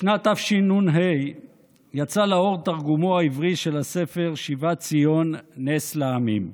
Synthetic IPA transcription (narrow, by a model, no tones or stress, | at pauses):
ʃnat̪afʃinunɦej | jat͡salao̞ʁt̪aʁɡumoaivʁiʃe̞lase̞fe̞ʁʃivat͡sijo̞nːesleamim